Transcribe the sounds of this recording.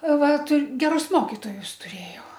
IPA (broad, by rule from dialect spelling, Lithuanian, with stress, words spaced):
ˈʋɐ tʊ ɡʲɛˈrʊs ˈmoːkʲɪtoːjʊs ˈtʊˈrʲeːjɛʊ